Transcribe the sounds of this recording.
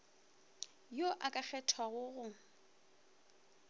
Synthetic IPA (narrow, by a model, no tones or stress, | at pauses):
joʔakʼak͡xʰɛtʰwaɣʊɣʊ